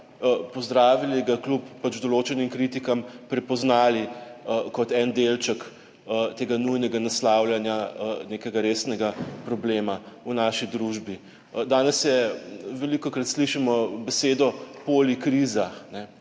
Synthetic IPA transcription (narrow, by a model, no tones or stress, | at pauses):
əpɔzd̪ɾaːʋiliɡaklupːat͡ʃd̪ɔloːt͡ʃɛnimkɾit̪ikampɾɛpɔznaːliəkɔt̪ɛnd̪elt͡ʃək | ət̪eːɡanujnɛɡanaslawljanjaənekɛɡaɾeːsnɛɡapɾɔbleːmaunaːʃid̪ɾuʒbi | d̪aːnɛsjɛʋɛlikɔkɾat̪sliʃimɔbɛseːd̪ɔpoːlikɾizaxnɛ